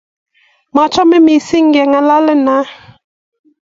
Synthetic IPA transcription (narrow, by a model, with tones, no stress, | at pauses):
ma˨t͡ʃɔ˦mɛ˦mi˨si˦ŋ˦ɡɛ˨ŋa˦la˦lɛ˦na˨˦